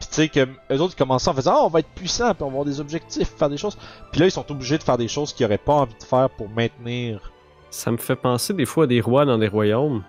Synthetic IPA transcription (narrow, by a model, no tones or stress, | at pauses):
pi̥sekəmøzot̪kɔmɑ̃sɑ̃fəzɑ̃ɔ̃vaɛt̪χpɥisɑ̃piɔ̃vavwaʁd̪ezɔbʒɛk̚t̪ɪffɛːʁd̪eʃoz̥pilʌilsɔ̃t̪ubliʒed̪əfɛːʁd̪eʃoʊz̥kʲiɔʁɛpaɑ̃vid̪əfɛːʁpuʁmɛ̃t̪niːʁ | sa̰məfɛpɑ̃sed̪efwaːd̪eʁwad̪ɑ̃leʁwajõm